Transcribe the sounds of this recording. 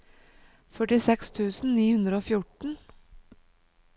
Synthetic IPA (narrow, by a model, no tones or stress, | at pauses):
fœʈɪsɛkst̪ʰʉːsn̩niːhʉnd̪ɾəoːfjʊʈɳ̩